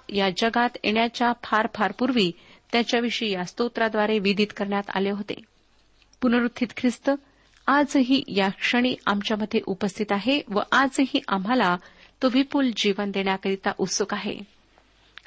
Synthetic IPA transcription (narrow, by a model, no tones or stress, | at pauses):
jad͡ʑəɡat̪ḛɳjat͡ɕjapʰaɾpʰaɾpuɾʋiːt̪jat͡ɕjaʋiʂəijast̪ot̪ɾad̪ʋaɾeʋid̪iːt̪kəɾɳjat̪a̰leɦot̪ḛ | punəɾut̪ʰːiːt̪kʰɾist̪ə | ad͡zɦiːjakʂəɽ̃iːa̰mt͡ɕjaməd̪ʱːjeʔupəst̪ʰit̪aɦeʋə̰ʔad͡zɦiːʔam̤ala | t̪oʋipuld͡ʑiʋənd̪eɳjakəɾit̪aʔut̪sukaɦḛ